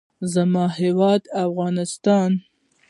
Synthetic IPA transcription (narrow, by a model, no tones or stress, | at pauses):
zamɑɦewɑd̪afɣɑnɪst̪ɑn